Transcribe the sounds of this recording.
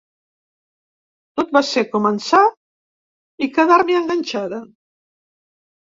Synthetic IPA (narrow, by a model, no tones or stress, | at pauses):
t̪ot̪̚basekumənsa | ikəðaɾmiəŋɡanʲt͡ʃaðə